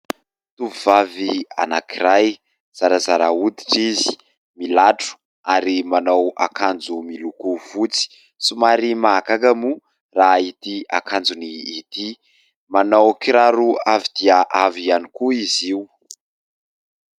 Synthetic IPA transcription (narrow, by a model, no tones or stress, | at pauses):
t̪uvuvavia̰nakiɾaj | z̥aɾazaɾaud̪iʈ͡ʂizi̥ | milaʈ͡ʂu̥ | aɾimanawa̰kand͡zumilukuv̥ut͡si̥ | sumaɾimakakamu | rait̪ia̰kʰand͡zuniːt̪i | manawkiɾaɾuavid̪̥iaʔavianikuiziw